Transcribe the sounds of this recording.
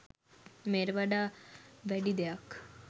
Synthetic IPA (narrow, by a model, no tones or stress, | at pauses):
meɾʋaɖaʋɛɽid̪ejak